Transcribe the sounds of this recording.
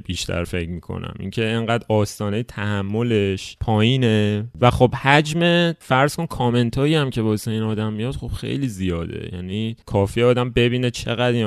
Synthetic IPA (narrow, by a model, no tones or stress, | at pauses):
b̥iːʃt̪ʰæ̰ɾfe̞cʰmiːkʰo̰næ̰mʔḭːŋcʰe̞eŋɢæːd̪ɒːst̪ɒːnejet̪ʰæhæmːo̞le̞ʃpʰɒːjiːnevæχo̞bhæd͡ʒme̞fæɾz̥kʰo̞nkʰɒːme̞nt̪ʰɒːjiæmcʰe̞vɒːsiːnɒːd̪æmːijɒd̪̥χob̥xḛjliːzijɒːd̪ḛjæ̰ːniːkʰɒːfiɒːd̪æmbe̞biːne̞t͡ʃʰe̞ɣæd̪in